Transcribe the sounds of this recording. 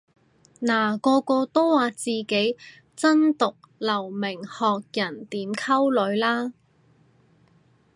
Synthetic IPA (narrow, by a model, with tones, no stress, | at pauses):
naː˨˩kɔː˧kɔː˧t̪o˥wwaː˨˧t͡siː˨ke˨˥j | t͡sɐ˥nt̪ʊ˨k̚lɐ˨˩wmɪ˨˩ŋhɔː˨k̚jɐ˨˩nt̪iː˨˥mkʰɐ˥wlɵ˨˧˥ɥlaː˥